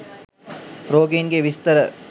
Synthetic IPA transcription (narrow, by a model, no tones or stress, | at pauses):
ɾoːɡeːnɡeʋist̪əɾə